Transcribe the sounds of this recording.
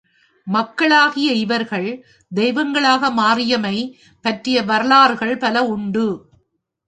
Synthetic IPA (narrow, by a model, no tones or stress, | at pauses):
mɐkːɐɭaːɣɪjɐɪʋɐɾɣɐɭ | d̪ɛjʋɐŋɡɐɭaːɣɐmaːɾɪjɐmɐɪ | pɐʈrɪjɐʋɐɾɐlaːɾɣɐɭpɐlɐʊɳɖɯ